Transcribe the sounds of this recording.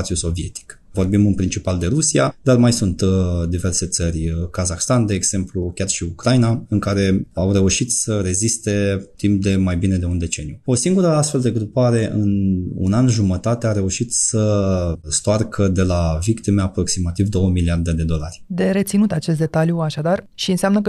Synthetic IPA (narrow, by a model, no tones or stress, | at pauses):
t̪siuso̞vie̞̰t̪i̥k | vo̞rbimɨnpɾint͡ʃipald̪e̞ɾusiad̪̥armajsunt̪d̪ive̞rse̞t̪sərʲkazaxst̪and̪e̞ːɡz̥e̞mplukʲarʃiukɾajnaɨŋkaɾe̞awre̞uʃit̪səɾe̞zist̪e̞t̪imp̚d̪e̞majbine̞d̪e̞und̪e̞t͡ʃe̞njuo̞siŋɡuɾəast̪fe̞ld̪e̞ɡɾupaɾe̞ʔɨnṵnanʒumət̪at̪eaɾe̞uʃit̪səst̪oarkʰəd̪e̞lavikt̪imeapɾo̞ksimat̪ivd̪o̞wəmiliard̪e̞d̪e̞d̪o̞larʲd̪e̞ɾe̞t̪sinut̪at͡ʃe̞s̬t̪d̪e̞t̪aljuaʃad̪arʃiɨnseamnəkə